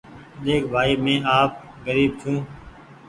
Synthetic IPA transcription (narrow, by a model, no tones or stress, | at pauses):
ɗ̪eːkbʱaːiːmẽːʔaːp̚ | ɡəɾiːb̚t͡ʃʰũː